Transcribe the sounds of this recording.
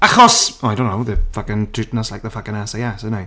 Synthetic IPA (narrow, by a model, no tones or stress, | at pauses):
aχɔsɔajdõnːoʊðəfaɡəntʰɪtnəslajk̚ðəfaɡənasajasəna